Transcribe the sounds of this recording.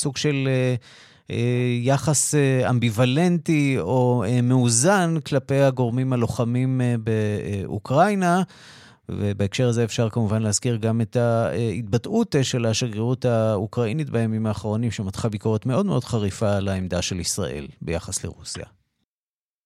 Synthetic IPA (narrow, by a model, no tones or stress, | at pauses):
suɡʃe̞le | jaχasea̰mbivale̞ntio̞emeuzanklape̞jhaɡo̞ʁmimalo̞χamimbeṵkʁajna | vebeekʃe̞ʁaze̞efʃaʁkamuvanlehaz̥kiʁɡame̞tait̚batutʃelaʃaɡeʁutaukʁainitbajamimaːχaʁo̞nimʃematχabiko̞ʁetme̞o̞dmeʔo̞dχaʁifalaemd̪aʃe̞lisʁa̰ʔe̞̰lbe̞ja̰χasle̞̰ʁusja̰